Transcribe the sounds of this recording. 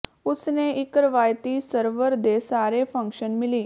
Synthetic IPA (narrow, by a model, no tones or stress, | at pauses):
usneʔikɾəʋajt̪iːsəɾʋəɾd̪esaɾefə̃ŋkʂənmiliː